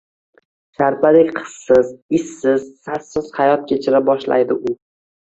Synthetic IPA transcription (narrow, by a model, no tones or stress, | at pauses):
ʃaɾpalekʲqʰɨ̥sːɪzɪsːɪz̥sassɪz̥hajɒt̪̚kʲʰe̞t͡ʃʰɪɾabɒʃla̰jd̪ɪʊ